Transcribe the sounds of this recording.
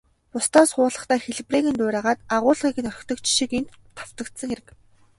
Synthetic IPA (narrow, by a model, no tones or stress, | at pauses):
ʊst̪ʰaːsχʊːɮə̆χt̪æːxeɮ̆priːɣɘ̆nt̪ʊːɾʲæːʁaːt̪aʁʊːɮʁiːkɘ̆nœr̆ʲkt̪ɞ̆kt͡ɕʃikent̪ʰːaw̥t̪ə̆kt̪sə̆ŋxeɾɘ̆k